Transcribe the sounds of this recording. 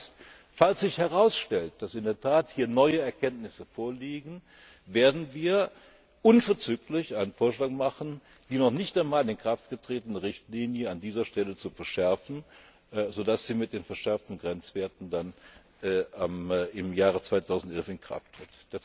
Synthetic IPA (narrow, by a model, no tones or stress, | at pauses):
st | falsz̥ɪçhɛʁaʊsʃtɛlt̚d̥asɪndeːɐtʰaːthiːɐnɔʏəɛɐkʰɛntnɪsəfoːɐliːɡn̩ | veːɐdn̩viːɐ | ʔʊnfɛɐt͡syːklɪçʔaɪnənfoːɐʃlaːkmaχn̩ | d̥iːnɔχnɪçtaɪmaːlɪnkʁ̥aftɡ̥ətʁ̥eːtənəʁɪçtliːnjəandiːzɐʃtɛlət͡sufɛɐʃɛɐfn̩ | zoːdasz̥iːmɪt̚d̥eːnfɛɐʃɛɐftn̩ɡʁɛnt͡sv̥eːɐtn̩danː | amɪmjaːʁ̞ət͡sv̥aɪtʰaʊzn̩tɛlfɪnkʁ̥a̰ftʁ̥ɪtd̥a